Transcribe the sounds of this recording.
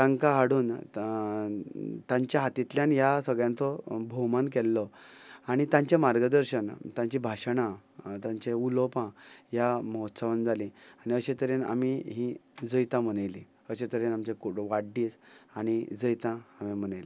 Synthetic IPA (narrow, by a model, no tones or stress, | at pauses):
tãŋkaɦaɽuːn | t̪ãɲt͡ɕjaɦat̪it̪ljanjasəɡɭjãnt͡sɔbʱomank̬ɛlːɔaɽ̃it̪ãɲt͡ɕemaɾɡəd̪əɾɕənt̪jãɲt͡ɕibʱaɕɳ̃ãt̪ãɲt͡ɕeulɔpãjamɔɦɔt̪saʋənd͡zʱalĩaɽ̃iəɕẽt̪əɾena̰miɦĩd͡zəjt̪ãm̤ənajlĩ | əɕet̪əɾenamt͡ɕekoɽʋaɖiːsaɽ̃id͡zəjt̪ãamimənajli